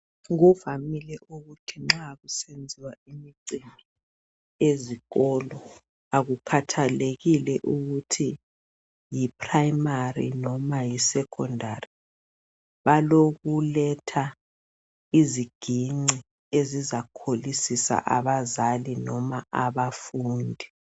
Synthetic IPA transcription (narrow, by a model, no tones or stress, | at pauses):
ɣuvamilɛʔuɣutʰiŋ͡ǁaɣusend͡zʱiwaimiǀimʱi | eziɣɔːlɔ | aɣukʰatʰaleɣilɛʔuɣutʰi | jipʰrajmarḭnɔmajisɛkʰɔndʱari | βaloɣulɛtʰa | iziɡ̥ʱiŋ͡ǀi | ezizakʰolisisa̰ʔaβazalinɔmaaβafuːndʱi